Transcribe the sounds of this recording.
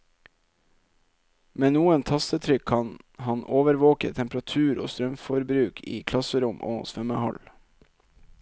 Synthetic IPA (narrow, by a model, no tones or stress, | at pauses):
meːnuːənt̪ʰɑst̪ət̪ʰɾʏkʰɑnhɑnʔoːʋəɾʋoːkət̪ʰɛmpɾɑt̪ʰʉːɾo̰ːst̪ɾœmfɔɾbɾʉːkʰḭːkʰlɑsəɾʊmʔo̰ːsfɛməhɑ̰l